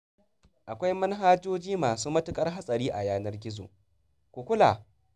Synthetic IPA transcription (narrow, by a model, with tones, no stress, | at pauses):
ʔa˨kʷa˦jmɐ˦nɦaː˦d͡ʒoː˦d͡ʒiː˦maː˨suː˦mɐ˦tʊ˦kʼɐ˦rɦa˦sʼɐ˨ɾiː˦ʔa˨jaː˦nɐ˦rɡʲɪ˦zo̰ː˨ | kʷu˨kʷʊ˦la̰˨